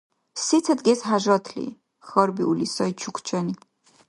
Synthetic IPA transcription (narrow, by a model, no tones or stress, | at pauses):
sit̪ʰəd̪ɡɛsɦaʒɾɔt̪ʰlḭ | xɔɾbiulisɔjt͡ʃʰukʰt͡ʃʰɔni